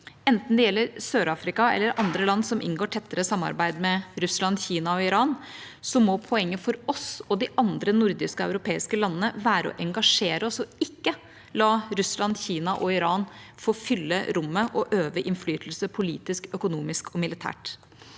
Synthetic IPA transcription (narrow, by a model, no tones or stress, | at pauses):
ɛnt̪n̩d̪ɛjɛlːəɾsøːɾɑːfɾɪkɑɛ̰lːəɾʔɑnd̪ɾəlɑnːsɔmʔɪ̰ŋɡoːʈʰɛt̪ːəɾəsɑmːɑ̰ɾbæɪd̪mɛɾʉslɑnçiːnɑɔɪɾɑːn | sɔmɔpʰɔɛŋːəfɔɾɔsɔd̪ɪʔɑnd̪ɾənʊɾd̪ɪskəɔœʉɾʊpʰeːɪskəlɑnːənəʋæːɾəɔ̰ʔɛŋɡɑʂeːɾəɔsɔɪkːə | lɑːɾʉslɑnçiːnɑʔɔɪɾɑːnfoːfʏlːəɾʊmːəʔɔʔøːʋəʔɪnflyːt̪ʰl̩səpʰʊlḭːt̪ɪskœkʊnuːmɪskʰɔmɪlɪt̪ʰæ̰ːʈ